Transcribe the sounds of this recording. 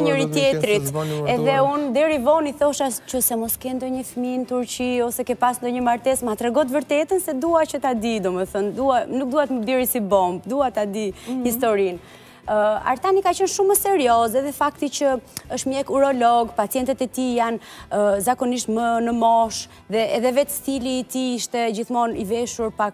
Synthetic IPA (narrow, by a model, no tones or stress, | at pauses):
ɲəɾit̪jɛt̪ɾit̪ɛðɛund̪ɛɾivɔniθɔʃast͡ʃɔsɛmɔskɛnd̪ɔɲəfmint̪uɾt͡ɕiɔsɛkɛpasnd̪ɔɲəmaɾt̪ɛsmat̪ɾɛɡɔt̪vəɾt̪ɛt̪ənsɛd̪uat͡ɕət̪ad̪id̪ɔmɛθənd̪uanuk̚d̪uat̪məbiɾisibɔmb̚d̪uat̪ad̪ihist̪ɔɾin | a̰ɾt̪anikat͡ʃənʃuməsɛɾjɔzɛðɛfak̚t̪it͡ʃəəʃt̪mjɛkuɾɔlɔɡpat͡sjɛnt̪ɛt̪ɛt̪ijanzakɔniʃt̪mənəmɔʃ | ðɛɛðɛvɛt̪θiliːt̪iiʃt̪ɛd͡ʑiθmɔnivɛʃuɾpak